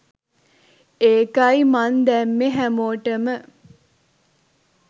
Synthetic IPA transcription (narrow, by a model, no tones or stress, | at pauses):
eːkaimand̪æmːeɦæmoːʈəmə